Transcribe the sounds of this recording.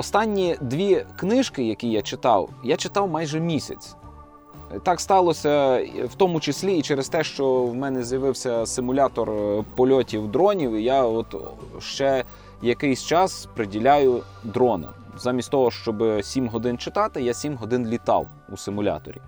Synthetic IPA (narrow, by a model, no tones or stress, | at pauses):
ɔst̪ɑnʲːid̪ʲʋʲiknɪʃkɪjɐkʲijat͡ʃɪt̪ɑ̰wjat͡ʃɪt̪ɑwmɑjʒɛmʲisʲɐ̰t͡sʲ | t̪ɑkst̪ɑlˠɔsʲɐwt̪ɔmʊt͡ʃɪsʲlʲiːt͡ʃɛɾest̪ɛʃt͡ʃɔwmɛnɛzjɐʋɪwsʲɐsɪmʊlʲɑt̪ɔrpɔlʲɔtʲiwd̪ɾɔnʲiwijaɔt̪ʃt͡ʃɛ | jɐkɪjsʲt͡ʃɑspɾɪdʲilʲajʊ | d̪ɾɔnɔ̰m | zɑmʲisʲtʲt̪ɔɦɔʃt͡ʃɔbɪsʲimɦɔd̪ɪnt͡ʃɪt̪ɑt̪ɪjasʲimɦɔd̪ɪnlʲit̪ɑ̰w | usɪmʊlʲa̰t̪ɔ̰ɾʲḭ